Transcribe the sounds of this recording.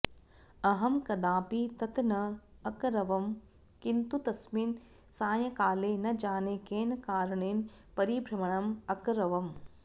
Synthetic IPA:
ɐɦɐmkɐd̪aːpit̪ɐt̪nɐɐkɾɐʋɐm | kint̪ut̪ɐsmin | saːjɐkaːleːnɐd͡ʒaːnekeːnɐkaːɾɐɳeːnpɐɾibʱɾɐmɐɳɐmɐkɾɐʋɐm

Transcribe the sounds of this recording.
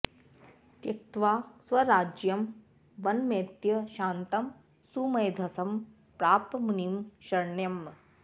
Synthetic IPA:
t̪jɐk̚t̪ʋaːswɐɾaːd͡ʒjɐm | ʋɐnmeːt̪jɐʃaːnt̪ɐm | sumɐjd̪ʱɐsɐm | pɾaːpmunimʃɐɾɳjɐm

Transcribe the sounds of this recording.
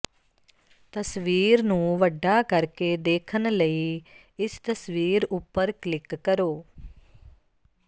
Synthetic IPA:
t̪əsʋiːɾnũːʋəɖːaːkəɾkeːd̪eːkʰənləiː | ɪst̪əsʋiːɾʊpːəɾklɪkːəɾoː

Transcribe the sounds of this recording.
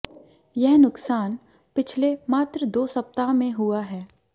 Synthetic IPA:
jɛɦnʊksaːn | pɪt͡ʃʰlemaːt̪ɾəd̪oːsɐp̚t̪amẽɦʊaɦɛː

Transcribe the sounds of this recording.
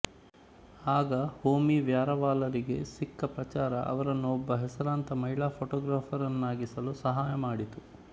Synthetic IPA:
aːɡɐhoːmiʋjaːɾɐʋaːlɐɾiɡe̞̰sikːɐpɾɐt͡ʃaːɾɐ̰ʔɐ̰ʋɐɾɐnːuɔbːɐɦɛsɐɾaːnt̪ɐmɐɦiɭaːpʰoːʈɔːɡɾaːpʰɐɾɐnːaːɡisɐlusɐɦaːjɐmaːɽit̪u

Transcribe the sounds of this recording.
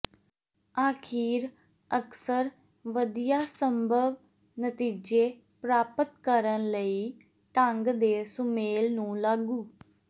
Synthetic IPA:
aːkʰiːɾ | əksəɾ | ʋəd̪ijaːsəmbʱəʋ | nət̪iːd͡ʒeː | pɾaːpət̪kəɾənləiː | ʈəŋɡd̪eːsʊmeːlnũːlaːɡuː

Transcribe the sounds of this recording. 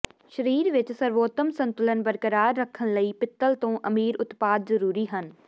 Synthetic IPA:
ʃəɾiːɾʋɪt͡ʃsəɾʋoːt̪əmsə̃nt̪ʊlənbəɾkəɾaːɾːəkʰːəñləiːpɪt̪ːəlt̪õːʔəmiːɾʊt̪paːd̪zəɾuːɾiːɦən

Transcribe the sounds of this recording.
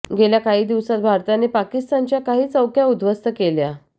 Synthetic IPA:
ɡeljakaɦiːd̪iʋsat̪̚bʱaɾt̪anepakist̪ant͡ɕjakaɦiːt͡səwkʰjaud̪ʋəst̪əkelja

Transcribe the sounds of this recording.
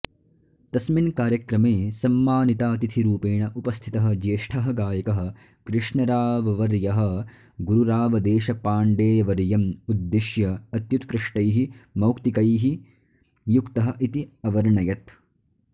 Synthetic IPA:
t̪ɐsminkaːɾjɐkɾɐmeːsɐmːaːnit̪aːt̪it̪ʰiɾuːpeːɳɐʔupɐst̪ʰit̪ɐɦɐ̆d͡ʒeːʂʈʰɐɦɐɡaːjɐkɐɦɐ̆ | kɾɪʂɳɐɾaːʋɐʋɐɾjɐɦɐ̆ | ɡuɾuɾaːʋɐd̪eːʃɐpaːɳɖeːjɐʋɐɾjɐmud̪ːeʃjɐɐt̪jut̪kɾɪʂʈɐjɦimɐwkt̪ikɐjɦi | jukt̪ɐɦɐ̆ʔit̪iɐʋɐɾɳɐjɐt̪

